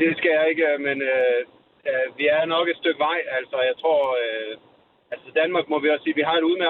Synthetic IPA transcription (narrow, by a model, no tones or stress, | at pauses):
d̥e̝sɡ̥æjɑ̈e̝ɡ̥əmenø | ʋiæɐnɒ̽ɡ̥ed̥sd̥øɡ̥əʋɑ̈ɪ̰æl̰sɐjɑ̈ɪt͡sʰʁo̝ɐ̰ | ælsəd̥ænmɑ̈ːɡ̥mɒ̽ʋiɒ̽ssiːʋiɦɑ̈e̝ɾeuð̞̩ˠme